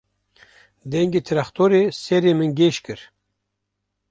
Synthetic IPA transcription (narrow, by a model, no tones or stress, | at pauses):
d̪ɛŋɡet̪ʰɨɾaxt̪ʰoɾesɛɾemɨnɡeʃkɨɾ